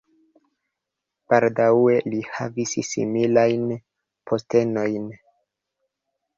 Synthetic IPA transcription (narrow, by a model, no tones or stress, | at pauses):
b̥aldae̞lihavissḭmilajn | pʰo̞ste̞no̞jn